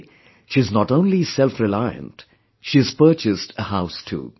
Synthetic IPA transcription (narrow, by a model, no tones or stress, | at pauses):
ʃiɨznɔʈõʊ̃nlisɛlfɾɪlaɪə̰̃nt | ʃiɨz̥pəɾt͡ʃɪstʰəhaʊstʰṵː